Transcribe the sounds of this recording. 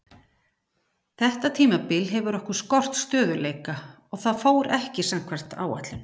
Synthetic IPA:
θɛht̪at̪ʰiːmapɪlɦɛvʏɾɔhkʏɾ̥skɔr̥t̪st̪œːðʏleːjka | ɔɣθaðfoːwɾɛhcɪsam̥kʰvɛr̥t̪a̰ːwa̰t̪lɪn

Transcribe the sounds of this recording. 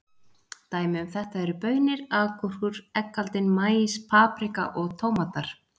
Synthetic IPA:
t̪aːjmɪʏmθɛht̪aɛɾʏpœːɥnɪɾaðkʰɔr̥kʏɾ̥ɛkːalt̪ɪnmaːjɪspʰaːpɾɪka̰ʔɔɣt̪ʰoːwmat̪aɾ̥

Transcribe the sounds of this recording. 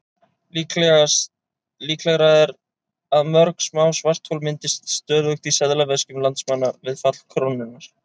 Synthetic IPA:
liːklɛɣ | liːklɛɣɾaɛɾ | aðmœɾksmawsvar̥t̪hɔlmɪnt̪ɪst̪st̪œːðvœxt̪isɛðlavɛscʏmlant̪smanːavɪðfat̪l̥kʰɾownːɪnːaɾ̥

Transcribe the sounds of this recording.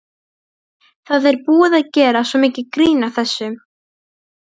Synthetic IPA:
θaðɛɾpuːaðaðcɛːɾasɔmiːcɪkɾiːnaθɛsːʏ

